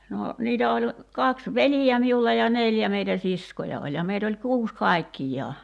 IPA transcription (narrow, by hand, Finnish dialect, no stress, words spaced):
no niːtæ olʲ kɑks ʋelijæ miulːɑ jɑ neˑljæ meitæ siskojɑ olʲ jɑ meit olʲ kuːs kɑˑi̞kːijˑɑː